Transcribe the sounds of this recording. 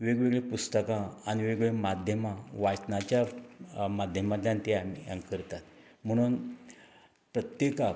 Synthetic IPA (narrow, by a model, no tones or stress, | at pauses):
ʋeɡʋeɡɭepust̪əkãːniʋeɡɭemad̪ʱjəmaʋat͡ɕnat͡ɕja | mad̪ʱjəmat̪jãnt̪eã̰ŋkəɾt̪at̪ | m̤əɽ̃uːn | pɾət̪jeka